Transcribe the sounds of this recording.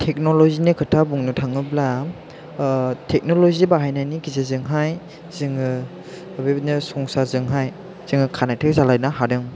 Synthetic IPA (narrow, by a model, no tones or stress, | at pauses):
tʰek̚nɔlɔzinɯkʰɯtʰabuŋnɯtʰaŋɯbla | tʰɛk̚nɔlɔzibaɦajnajniɡizezɯŋɦaj | zɯŋɯ | bebnɯsɔŋsazɯŋɦaj | z̥ɯŋɯkʰanajtʰɯk̚zalajnaɦaɾɯŋ